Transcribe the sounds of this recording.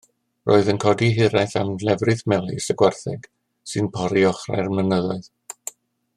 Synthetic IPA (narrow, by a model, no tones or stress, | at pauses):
rʔo̰ːɨðənkʰɔdiɦɪɾajθamlɛvrɨðmɛlˠisəɡwarθɛɡ̥ | sɨnpʰɔɾiɔχra̰jrmənəðɔɨð